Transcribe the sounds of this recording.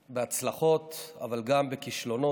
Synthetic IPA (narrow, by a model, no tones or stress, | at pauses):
beat͡slaχo̞t̪a̰valɡambekiʃlo̞no